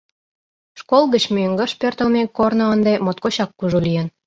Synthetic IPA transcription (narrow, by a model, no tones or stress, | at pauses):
ʃkolˠɣət͡ɕmyeŋɡə̆ʃpørt̪əlmekːornŏənd̪emot̪̚koɕɑkːuʒulijən